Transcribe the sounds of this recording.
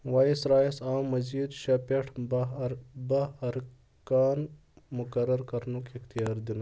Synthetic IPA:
waːjisɾaːjisaːmːɐzid̪ʃɐpeʈʰ | bɐɐɾ | kaːn | mʊkɐɾɐɾkɐɾnukixt̪ijaːɾd̪inɐ

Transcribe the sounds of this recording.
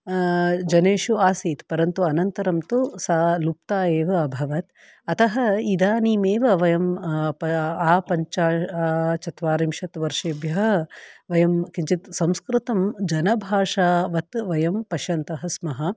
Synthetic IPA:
d͡ʒɐneːʃuaːsiːt̪pɐɾɐnt̪uɐnɐnt̪ɐɾɐmt̪usaːlup̚t̪aːeːʋɐɐbʱɐʋɐt̪ | ɐt̪ʰɐɦɐid̪aːniːmeːʋɐʋɐjɐmɐaːpɐɲt͡ʃaːaːt͡ʃɐt̪ʋaːɾimʃɐt̪ʋɐɾʂeːbjɐɦɐʋɐjɐmkiɲt͡ʃit̪sɐmskɾɪt̪ɐmd͡ʒɐnɐbʱaːʂaːʋɐt̪ʋɐjɐmpɐʃɐnt̪ɐɦɐsmɐɦɐ

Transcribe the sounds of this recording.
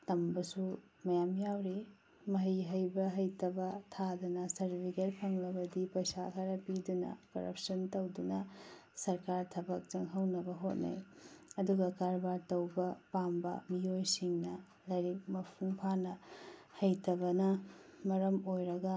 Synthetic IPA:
tɐmbɐsu | mɐjamjawɾe | mɐɦiɦɐjbɐɦɐjtɐbɐtʰadɐnɐsɐɾbʱiɡeɾpʰɐŋlɐbɐdipɐjsakʰaɾɐpidunɐ̰kɐ̰ɾɐ̰p̚sɐntɐwdunɐsɐɾkaɾtʰɐbɐk̚t͡ʃɐŋɦɐwnɐbɐɦot̚nɐ̰jɐduɡɐkaɾbaɾtɐwbɐpambɐ̰miojsiŋnɐ | lɐjɾik̚mɐpʰuŋpʰanɐhɐjtʰɐbɐnɐmɐɾɐmojɾɐɡɐ

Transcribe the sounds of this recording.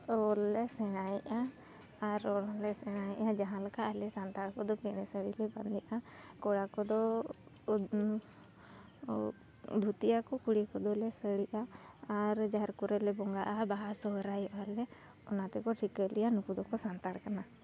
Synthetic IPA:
ɔlːɛsɛɽ̃ajʔaː | ɾɔɽɔlɛsɛɽ̃ajʔad͡ʒaɦãlakaʔalɛsant̪aɽkɔd̪ɔpiɽ̃ɛsəɽilɛba̰nd̪ɛʔa | kɔɽakɔd̪ɔ | d̪ʱut̪iakɔkuɽikɔd̪ɔlɛsəɽiʔaː | ɾd͡ʒaɾkɔɾɛlɛbɔŋɡaʔabaɦasɔɦɾajʔalɛ | ɔnat̪ɛkɔʈʰikəlɛjanukud̪ɔkɔsant̪aɽkana

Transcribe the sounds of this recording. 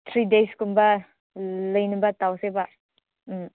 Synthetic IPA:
t̪ʰɾideskumba | ləjnibat̪awseba

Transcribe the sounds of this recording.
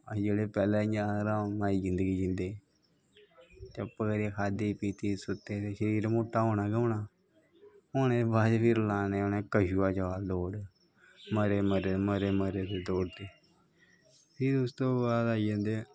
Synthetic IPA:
d͡ʒeːɽeːpɛːlaːɪãːɾaːmaːiːd͡ʒɪnd̪əɡiːd͡ʒɪnd̪eː | t̪əpəkɾekʰaːd̪iːpiːt̪iːsʊt̪eːt̪eʃəɾiːɾmoːʈːaːɦoːnaːɡõːnaː | oːñẽebaːd̪pʰɪɾlaːneːoneːkəʃuːaːd͡ʒəʋaːld̪oːɽ | məɾeːməɾeməɾeːməɾeːd̪eːd̪oːɽt̪eː | pʰɪɾʊst̪oːbaːlaːid͡ʒə̃ːnd̪eː

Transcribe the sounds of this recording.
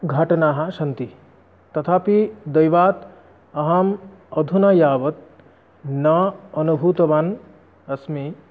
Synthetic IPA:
ɡʱɐʈɐnaːɦɐʃɐnt̪i | t̪ɐt̪ʰaːpid̪ɐjʋaːt̪ | ɐɦam | ɐd̪ʱunɐjaːʋɐt̪̚ | nɐɐnubʱuːt̪ɐʋaːn | ɐsmi

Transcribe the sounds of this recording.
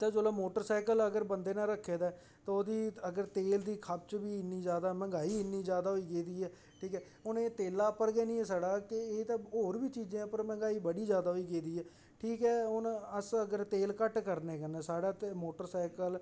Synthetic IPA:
t̪ãːd͡ʒoːlaːmoːʈəɾsaːkələɡəɾbənd̪eːnãːɾəkʰːeːd̪aː | t̪ãːod̪iːəɡəɾt̪eːld̪iːkʰab̚t͡ʃbiːɪnːiːd͡ʒjaːd̪aːmɛ̃ŋɡaːiːɪnːiːd͡ʒjaːd̪aːɦoiːɡeːd̪iːɛː | ʈʰiːkɛː | ʊneːt̪eːlaːpəɾɡɛːnĩːɛːsaːɽaːkɪeːt̪ãːɦoːɾʋiːt͡ʃiːzẽːãːpəɾmɛ̃ŋɡaːiːbəɽiːd͡ʒjaːd̪aːɦoiːɡeːd̪iːɛː | ʈʰiːkɛːʊnəsəɡəɾt̪eːlkəʈkəɾneːkənɛ̃ːsaːɽaːt̪emoːʈəɾsaːɪkəl

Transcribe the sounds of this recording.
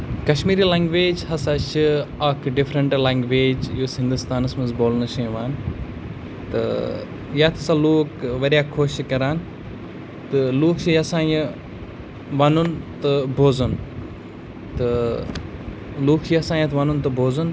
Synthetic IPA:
kɐʃmiːɾiːlãːŋɡʋeːd͡ʒhɐsat͡ʃʰiɐkʰɖifɾɐɳʈlaːŋɡʋeːd͡ʒjuːsɦɪ̃nd̪ust̪aːnɐsmɐnzboːlnɐʃɐ̃jʋaːn | t̪ɨ̰ | jaːt̪ʰɐsaːloːkʋɐɾjaːkʰoːʃkɐɾaːn | t̪ɨluːkt͡ʃʰijɐsãːjɐ | ʋɐnunt̪ɨbʱoːzɐn | t̪ɨ | luːkʰt͡ʃiɐsaːjɐt̪ʰʋɐnunt̪ɨbʱoːzun

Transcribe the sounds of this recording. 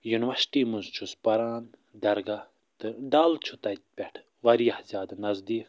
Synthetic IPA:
junʋɐɾsʈiːmuzt͡ʃʰuspɐɾaːnd̪ɐɾɡɐ | t̪ɨɖaːlt͡ʃʰut̪ɐjt̪̚pʲɛʈʰ | ʋɐɾijɐhzʲjaːd̪nɐzd̪iːf

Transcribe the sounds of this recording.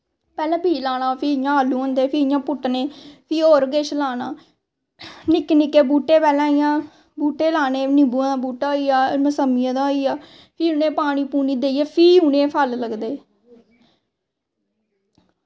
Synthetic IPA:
pɛːlãːbʱiːlaːnãːpʰiːɪjãːalːũːõːnd̪eːpʰiːɪjãːpʊʈneːpʰiːoːɾɡeːʃlaːnaː | nɪknɪkːeːbuːʈːeːpɛːlãːɪjãː | buːʈeːlaːneːnɪbuãːd̪ãːbuːʈaːiːaːməsəmɪjãːd̪aːiːaː | pʰiːʊnẽːpaːɽ̃iːpuːniːd̪eːieːpʰiːʊnẽːpʰəlləɡd̪eː

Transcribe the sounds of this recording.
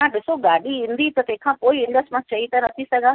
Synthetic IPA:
ãɗɪsoɡaːɗiɦɪ̃n̆d̪it̪ɐt̪ɐɦɪ̃kʰãːpoːiɪ̃ɳɖəsʈmãt͡ɕɐit̪ɐnɐt̪ʰisɐɡʱaː

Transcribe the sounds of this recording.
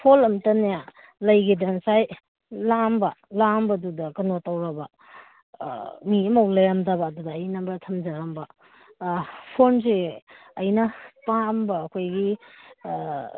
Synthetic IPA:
pʰolɐmtɐnja | lɐjɡidɐnsaj | lambɐlambɐdudɐkɐnotawɾɐbɐ | miɐmɐwlɐjamdabɐːdudɐːjnɐbɐtʰɐmd͡ʒaɾambɐ | pʰonseː | jnɐpambɐːkʰojɡi

